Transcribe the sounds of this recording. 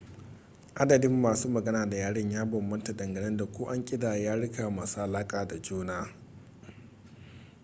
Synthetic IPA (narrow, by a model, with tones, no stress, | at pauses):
ʔa˦dɐ˨dɪ˦mːaː˨suː˦mɐ˨ɡɐ˦naː˨da˨jaː˦ɽɪ˦ɲjaː˦bɔ˨mːɐ˦nta˨dɐ˨ŋɡɐ˨nɪ˦nda˨kʷoː˦ʔa˦ŋkʲʼɪ˦daː˨jaː˦ɽɪ˦ka˨maː˨su˦ʔa˨laː˦kʼaː˨da˨d͡ʒuː˦naː˦